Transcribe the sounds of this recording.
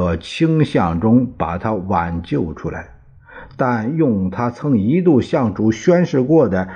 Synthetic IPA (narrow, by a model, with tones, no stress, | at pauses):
ə˧˩t͡ɕʰi˥ŋɕjɑ˥˩ŋʈ͡ʂʊ˥ŋpa˨˩t̪ʰa˥wa˨˩nt͡ɕjo˥˩ʊʈ͡ʂʰu˥la̰˧˥ɪ | t̪a˥˧njʊ˥˩ŋt̪ʰa˥t͡sʰɤ˥ŋi˧˥t̪u˥˧ɕjɑ˥˩ŋʈ͡ʂu˧˥ɕɥɛ˥nʂɻ̩˥˧kwɔ˥˩d̪ə˩